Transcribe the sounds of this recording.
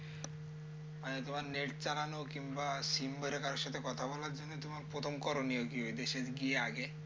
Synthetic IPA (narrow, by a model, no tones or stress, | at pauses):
majet̪omaɾneʈt͡ɕalanokimbasimbəɾekaɾoʃat̪ʰekɔt̪ʰabɔlaɾd͡ʒonːet̪omaɾpɾot̪ʰomkɔɾoniokiɦojd̪eʃetɡieaɡe